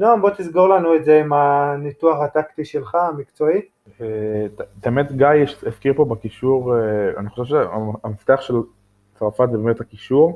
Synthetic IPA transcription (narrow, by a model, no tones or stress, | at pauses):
noonbo̞t̪izɡoʁlanuetzeimanit̪uaχat̪akt̪iʃelχaamikt͡so̞i | etteemet̪ɡajeʃefkiʁpo̞bekiʃuʁea̰niχo̞ʃevʃeaamaft̪eaχʃel | t͡sʁafat̪zebemethakiʃuʁ